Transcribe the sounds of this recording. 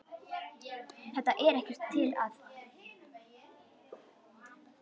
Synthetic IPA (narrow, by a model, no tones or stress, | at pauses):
θɛht̪ːaʔɛɾɛhcɛr̥t̪ʰːɪlað